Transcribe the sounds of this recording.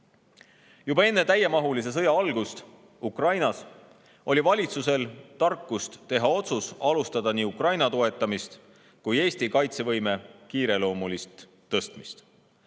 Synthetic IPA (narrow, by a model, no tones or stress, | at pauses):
jubɑe̞nːe̞t̪æjːe̞mɑɦulis̬e̞s̬ɤ̞jɑɑlɡ̥ust̪ | ukrɑjnɑs | o̞lʲivɑlʲit̪suse̞lt̪ɑrkːust̪t̪e̞ɦɑo̞t̪susɑlust̪ɑd̪̥ɑniːukrɑjnɑt̪o̞e̞t̪ːˑɑmist̪ | kuje̞ːsʲt̪ikɑjt̪se̞vɤjme̞kiːɾe̞lo̞ːmulist̪ː | ɤst̪mist̪